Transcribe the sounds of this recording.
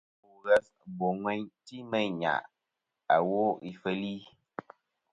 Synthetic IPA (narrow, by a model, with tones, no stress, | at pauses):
u˨ɣɛ˦s | bo˨ŋwɛ˦ɲti˦mə˦˨ɲa̰˨ʔ | a˨wo˦i˨fə˦li˦